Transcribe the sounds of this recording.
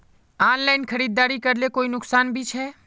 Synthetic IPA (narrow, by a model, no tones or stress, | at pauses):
aːnlaːɪnkʰəɾiːd̪̚ːaːɾikəɾlekoːinʊksaːnbʱit͡ʃʰɛː